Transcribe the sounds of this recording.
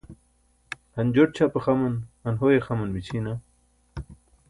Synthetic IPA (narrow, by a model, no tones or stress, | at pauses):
hɐnd͡ʑoʈ̚t͡ɕʰapexamɐnhɐnɦojexamɐnwit͡ɕʰina